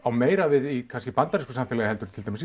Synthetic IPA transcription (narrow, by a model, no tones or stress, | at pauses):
awmeːjɾavɪðikʰanscɪpant̪aɾɪskʏsamfɪːlaðɪhɛlt̪ʏɾ̥t̪ʰɪlt̪ajmns